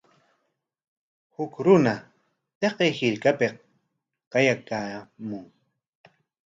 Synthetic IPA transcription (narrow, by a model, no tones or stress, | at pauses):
hʊkɾʊna | t̪eqejhɪɾkape | qɑjakaːmʊŋ